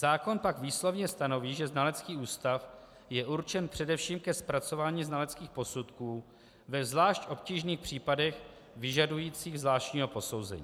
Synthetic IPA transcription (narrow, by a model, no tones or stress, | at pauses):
zaːko̞npakviːslo̞vɲɛst̪ano̞viːʒɛznalɛt͡skiːʔuːst̪af | jɛʔuɾt͡ʃɛnpr̝̥ɛdɛfʃiːmkɛspɾat͡so̞vaːɲiːznalɛt͡skiːxpo̞sut̪kuː | vɛvzlaːʃcʔo̞pciːʒniːxpr̥iːpadɛx | vɪʒadujiːt͡siːɣzvlaːʃcɲiːɦo̞po̞so̞wzɛ̰ɲiː